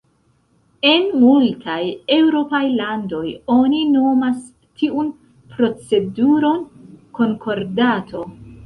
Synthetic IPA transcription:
e̞nmultʰaje̞wɾo̞pajlando̞jo̞nino̞mas | tʰiʔun | pɾo̞t͡se̞duɾo̞nko̞ŋkʰo̞ɾdatʰo̞

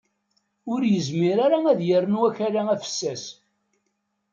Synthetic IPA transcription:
ʊɾjəzmiɾaɾaæðjərˤːənwæçaɾaæfə̥sːæs

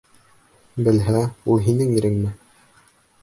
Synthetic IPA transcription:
bɘ̆lɦæulˠɦinɘŋiɾɘŋmɘ

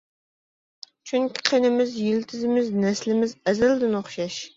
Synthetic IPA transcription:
t͡ʃʰyŋkʲʰi̥qʰenɪmɪzjilt̪ʰɪzɪmɪznɛslɪmɪzɛzæld̪ɪnoχʃɑʃ

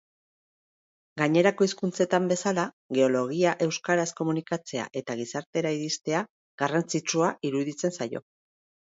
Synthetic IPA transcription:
ɡaɲe̞ɾako̞iskunt͡se̞t̪ambe̞sala | ɣe̞o̞lo̞ɣiaʔe̞wskaɾasko̞munikat͡se̞a̰ʔe̞t̪aɣ̞isaɾt̪e̞ɾaiɾist̪e̞a | ɣarant͡sit͡ʃuaʔiɾuðit͡se̞nsajo̞̰

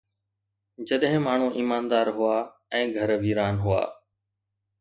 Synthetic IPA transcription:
d͡ʑəɗɦɪ̃maːɳ̤ũːʔiːmaːnd̪aːɾɦʊaː | ɛ̃ːɡʱəɾʋʱiːɾaːnɦʊa̰ː

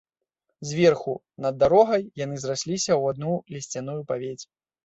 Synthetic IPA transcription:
zʲvʲɛrxu | nɐd̪ːaɾɔɣɐjjan̪ɨzrasʲlʲisʲɐwad̪̚nulʲisʲt͡sʲanujupavʲet͡sʲ

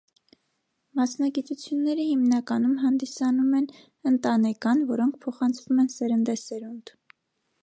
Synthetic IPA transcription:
mɑsnɑɡit̪ut͡sʰjunːɛɾəhimnɑkɑnumɦɑnd̪isɑnumɛn | ənt̪ɑnɛkɑnvɔɾɔŋkʰpʰɔχɑnt͡sʰvumɛnsɛɾənd̪ɛsɛɾunt̪

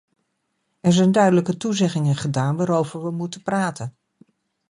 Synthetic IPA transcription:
ɛɹzɛjndœɥdələkətuzɛχɪŋəχədaːnʋaːɾowvəɹʋəmutəpraːtən

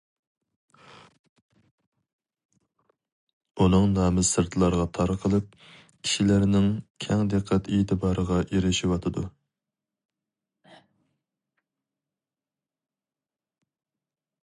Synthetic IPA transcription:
unɨŋnɑːmɨsɨɾt̪ʰɨlˠɑɾʁɑt̪ʰɑɾqʰəlˠɨp̚ | kʲʰi̥ʃilæɾnɪŋkʲʰɛŋd̪ɨqʰːæt̪et̪ʰɪbɑːɾəʁɑʔeɾɪʃiwɑt̪ʰɨd̪ṵ

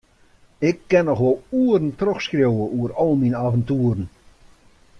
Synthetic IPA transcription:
ɪkːɛnːɔχʋolˠuərn̩trɔxskrjowəʔuərɔlˠminaːvəntuːərn̩

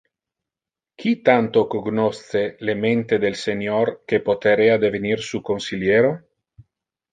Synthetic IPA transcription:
kʰit̪ant̪okoɡnost̪selement̪ed̪elseɲorkepot̪eɾead̪evenirsukonsiljeːɾo

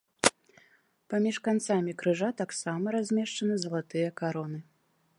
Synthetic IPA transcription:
pamʲiʂkant̪samʲikɾɨʐat̪aksamɐɾazʲmʲɛʂt͡ʂɐnɨzɐlˠat̪ɨjɐkaɾɔnɨ

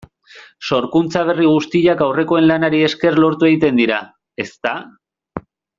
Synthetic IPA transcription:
so̞ɾkunt͡saβ̞e̞riɣ̞ust̪iʎakawre̞ko̞e̞nlanaɾie̞ske̞rlo̞ɾt̪ue̞ɣ̞it̪e̞nd̪iɾa | e̞st̪a

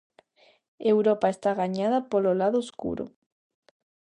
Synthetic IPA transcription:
ewɾopaest̪aɣaɲaðapololaðooskṵɾo̰

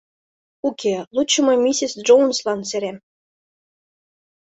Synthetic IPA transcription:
ukʲʰelˠut͡ɕːɤ̆mɤ̆mʲisʲisʒownslɑnseɾʲem

